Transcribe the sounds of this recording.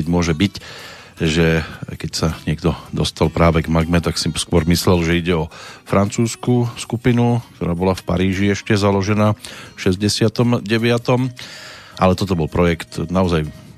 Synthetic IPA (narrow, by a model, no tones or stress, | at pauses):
ɛɟmʊɔʒɛbic | ʒɛkɛcsaɲɪɛɡd̪ɔd̪ɔst̪alpɾaːʋɛɡmaɡmɛt̪aksiskʊɔɾmislɛlʒɛiɟɛɔfɾʔant͡suːskuskupinuk̚t̪ɔɾaːbɔlafpa̰ɾiːʒiɛʃcɛzalɔʒɛnaːfʃɛzɟɛsɪat̪ɔmɟɛʋɪat̪ɔm | ʔalɛt̪ɔt̪ɔbɔlpɾɔjɛkt̪naɔzaj